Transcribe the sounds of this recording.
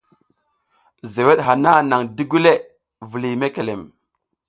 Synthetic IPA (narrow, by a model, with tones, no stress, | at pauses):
ze˨we˦ɗɦa˨na˦na˨ŋdi˦ɡu˦le˦ | və˨li˨me˦ke˨le˨m